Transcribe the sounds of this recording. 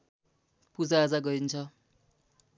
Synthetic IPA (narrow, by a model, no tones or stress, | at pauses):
pud͡zad͡zaɡʌint͡sʰʌ